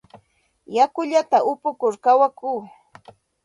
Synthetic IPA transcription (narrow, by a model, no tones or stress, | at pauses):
jakʊʎat̪aʔʊpʊkʊɾkawakuː